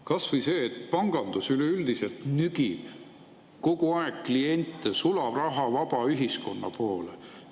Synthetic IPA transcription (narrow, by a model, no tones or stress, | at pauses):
kɑsvɤjseːt̪pɑŋɡ̥ɑnd̪̥usyleyld̪̥ise̞lt̪nyɡ̥i | ko̞ɡ̥uɑeɡ̥klie̞nʲt̪ˑːesulɑvrɑɦɑvɑb̥ɑyɦisko̞nːɑ̰po̞ːle